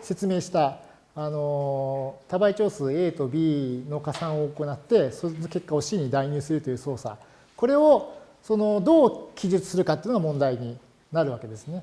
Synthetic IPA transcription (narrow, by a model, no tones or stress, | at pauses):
se̞t͡sɨme̞ːɕi̥t̪aː | no̞ | t̪abait͡ɕo̞ːsɨe̞ːt̪o̞bʲiːno̞kasãɰ̃o̞oko̞nat̪ːe̞soke̞kːao̞ɕiɲ̟ːid̪aiɲ̟ɨːsɨɾɯ̟t̪o̞jɯ̟ːso̞ːsa̰ | ko̞ɾe̞o̞ | so̞no̞d̪o̞ːkʲiʑɨt͡sɨ̥sɨɾɯ̟kat̪ːeiɯnoɡamõ̞nd̪aiɲ̟i | naɾɯ̟βake̞d̪e̞sɨne̞